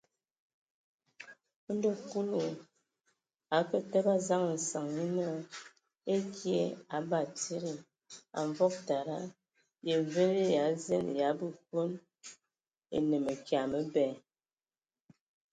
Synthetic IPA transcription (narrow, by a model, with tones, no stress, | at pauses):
n˦do˦pu˦lu˨ | a˨˦kə˦tɛ˦ba˦za˦ŋ˨n̩˨sa˨ŋi˦nɔ˦˨ | e˦kʰje˦a˨˦ba˨ti˦ɾi˨ | a̰˨ɱvɔ˦k̚ta˨ɾa˦ | je˨ve˦ɾi˦ja˨˦ze˦n˨ja˨˦bə˨ko˦n | ḛ˨nə˨mə˨kja˨mə˦bɛ˨